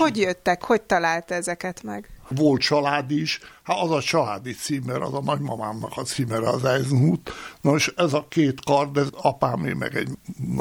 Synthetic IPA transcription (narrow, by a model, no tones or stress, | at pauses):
hoɟjøt̪ːɛkho̞c̚t̪ɒlaːlt̪ɛzɛkɛt̪mɛ̰ɡʋolt̪t͡ʃɒlaːd̪iʃhat̪ɒzɒt͡ʃɒlaːd̪it̪siːmɛɾɒ̰zɒnɒɟmɒmaːmnɒkɒt̪siːmɛɾɛɒzɛjznɦuːt̪noʃɛzɒkeːt̪kɒrd̪ɛzɒpaːmḛːɡmɛ̰ɡɛ̰ɟn